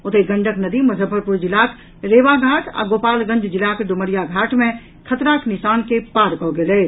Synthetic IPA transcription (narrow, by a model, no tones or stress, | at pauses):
ot̪eɡə̃ɳɖʱəknəd̪imɐzʱəbʱəɾpuɾd͡ʒilak | ɾeːʋaɡʱaːʈa̰ɡoːpaːlɡə̃nd͡ʒd͡ʒilakeɖuməɾijaɡʱaːʈmẽ | kʰət̪ɾaknisaːnkepaːɾkɔɡelɛː